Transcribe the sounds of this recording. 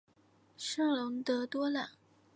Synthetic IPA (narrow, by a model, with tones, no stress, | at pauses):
ʂɤ˥˩ŋlʊ˧˥ŋt̪ɤ˧˥t̪wɔ˥la˨˩˦n